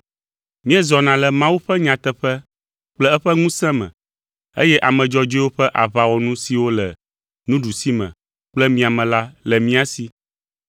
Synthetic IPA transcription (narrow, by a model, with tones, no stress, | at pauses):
mĩ˦ɛ˦zɔ˨nã˨lɛ˨mã˦wu˦ɸɛ˦ɲã˨t̪ɛ˦ɸɛ˦ | k͡plɛ˦ɛ˦ɸɛ˦ŋũ˦sɛ̃˦mɛ̰̃˨ | ḛ˦jɛ˦ʔa˨mɛ̃˨d͡ʒɔ˦d͡ʒi˦wo˦ɸɛ˦ʔa˨βa˨wɔ˨nũ˦si˨wo˦lɛ˨ | nũ˦ɖu˨si˦mɛ̰̃˨ | k͡plɛ˦mĩ˦a˨mɛ̃˨la˦lɛ˨mĩ˦a˨si˨˦